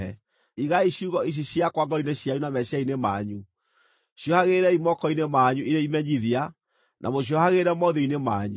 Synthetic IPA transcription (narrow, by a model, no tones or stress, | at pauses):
ɛ | iɣaiɕuɣɔiɕ̬iɕiakwaɡɔineɕjajunamɛɕjainema̰ːɲu | ɕjɔhaɣeɾɛimɔkɔinemaɲuʔiɾeimɛɲiðia | nʔa̰moɕ̬iɔhaɣeɾɛmɔðoinemaːɲu